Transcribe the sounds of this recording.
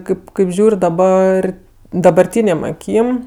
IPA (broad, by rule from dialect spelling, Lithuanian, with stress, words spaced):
ˈkɐɪp kɐɪp ˈʒʲuːrʲ dɐˈbɐr dɐbɐrʲˈtʲiːnʲeːm ɐˈkʲiːm